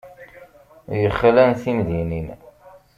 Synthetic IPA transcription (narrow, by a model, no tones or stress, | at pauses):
jəχːlænθimðinin